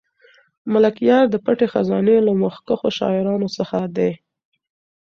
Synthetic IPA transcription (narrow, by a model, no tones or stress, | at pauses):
malakjɑɾd̪əpaʈexazɑnelaməxkəxoʃɑ̰ɪɾɑnosəxad̪e